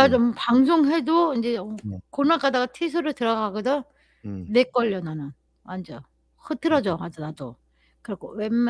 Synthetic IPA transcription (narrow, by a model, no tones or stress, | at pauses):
ad͡ʑompaŋsʰoŋɦe̞doind͡ʑe̞konak͈ʰadaɡatʰis̬ʰɯɾɯɭtɯɾʌɡaɡodɯ | nek͈ʌʎːʌnanɯn | mand͡ʑʌ | hɯtʰɯɾʌd͡ʑomad͡ʑʌnado | kɯɾʌkʰowemː